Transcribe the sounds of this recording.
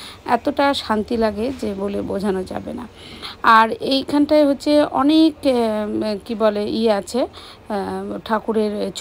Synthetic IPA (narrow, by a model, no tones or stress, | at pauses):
ɛ̰t̪oʈaʃant̪ilaɡed͡ʑebolebod͡ʑʱanod͡ʑa̰bḛna̰ | aɾejkʰanʈajɦotːɕʰeɔ̰nek | kibɔleʔieat͡ɕʰe | ʈʰakuɾeɾt͡ɕ